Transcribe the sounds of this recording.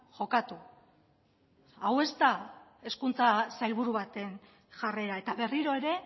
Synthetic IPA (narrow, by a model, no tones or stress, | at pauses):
ʝo̞kat̪u | awe̞st̪ae̞skunt͡sasajlβuɾuβat̪e̞n | ʝare̞ɾae̞t̪aβe̞riɾo̞e̞ɾe̞